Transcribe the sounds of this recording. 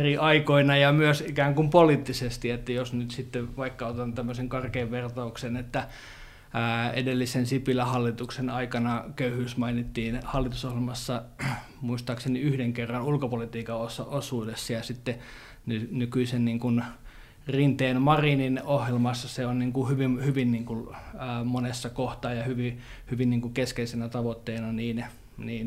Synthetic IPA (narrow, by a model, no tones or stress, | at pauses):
eriɑikoinɑjɑmyøsikæːŋkumpolit̪ːisest̪iet̪ːæjosnyt̪sit̪ːeʋɑikːɑot̪ɑnt̪æmːøseŋkɑrkeːʋʋert̪ɑuksenet̪ːæ | ḛdelːisensipilæhɑlːit̪uksenɑikɑnɑkøyhyːsmɑinit̪ːiːnhɑlːit̪usohjelmɑsːɑ | muist̪ɑːkseniyhdeŋkerːɑnulkopolit̪iːkɑosɑosuːdesːɑjɑsit̪ːe | nynykyisenniːŋkun | rint̪eːnmɑrininohjelmɑsːɑseonniːŋkuhyʋimhyʋinniːŋkulːmonesːɑkoht̪ɑːjɑhyʋi | hyʋinniːŋkukeskeisenæt̪ɑʋot̪ːeːnɑniːn | niːn